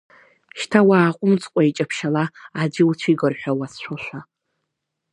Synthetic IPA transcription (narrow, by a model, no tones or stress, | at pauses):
ʃtʰawaːqʷʼʊmt͡sʰʼqʷʼait͡ʃʼapʰʃalaːd͡ʒɪut͡ɕʷʰiɡɨrħʷᶣawasʃʷoʃʷa